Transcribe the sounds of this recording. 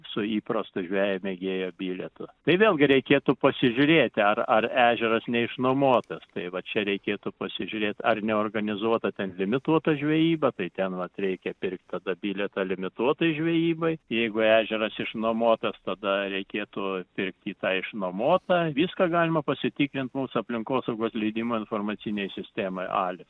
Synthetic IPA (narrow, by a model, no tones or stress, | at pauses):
sʊiːprɐst̪ʊʒʲʋʲæːjɛmʲeɡʲeːjoːbʲiːlʲɛt̪ʊt̪ɐɪʋʲeːlˠɡʲɪɾʲɛɪkʲeːt̪ʊpɐsʲɪʒʲʊɾʲeːt̪ʲɐrɐræːʒʲɛɾɐsnʲɛɪʃnoːmoɔt̪ɐst̪ɐɪʋɐt͡ʃʲɛɾʲɛɪkʲeːt̪ʊpɐsʲɪʒʲʊɾʲeːt̪ʲɐrnʲɛoːrɡɐnʲɪzuɔt̪ɐt̪ʲɛnlʲɪmʲɪt̪uɔt̪ɐʒʲʋʲɛjiːbɐt̪ɐɪt̪ʲɛnʋɐt̪rʲɛɪkʲɛpʲɪrk̚t̪ʲt̪ɐd̪ɐbʲiːlʲɛt̪ɐlʲɪmʲɪt̪uɔt̪ɐɪʒʲʋʲɛjiːbɐɪjɛɪɡʊæːʒʲɛɾɐsɪʃnoːmoːt̪ɐst̪ɐd̪ɐɾʲɛɪkʲeːt̪ʊpʲɪrkt̪ʲiːt̪ɑːɪʃnomoːt̪ɑʋʲiːskɑːɡɑːlʲɪmɐpɐsʲɪt̪ʲiːkɾʲɪnt̪muːsʊɐpʲlʲɪŋkoːsɐʊɡoːslʲɛɪd̪ʲimoːɪnfoːrmɐt͡s̪ʲinʲɛjsʲɪsʲt̪ʲæːmɐɪʔɑ̰ːlʲɪs